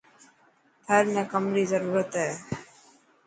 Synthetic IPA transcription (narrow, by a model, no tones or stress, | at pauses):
pʰeːɾmẽːkəmɾiːzəɾuːɾət̪ɦɛː